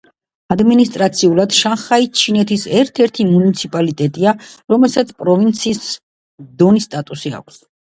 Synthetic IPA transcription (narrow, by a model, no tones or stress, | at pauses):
ad̪minist̪ʼɾat̪sʰiulˠad̪̥ʃanχait͡ʃʰinɛt̪ʰisɛɾt̪ʰɛɾt̪ʰimunit̪sʰipʼalit̪ʼɛt̪ʼiaɾɔmɛlˠsat̪sʰpʼɾɔvint̪sʰiːs | d̪ɔnist̪ʼat̪ʼusia̰kʷʰs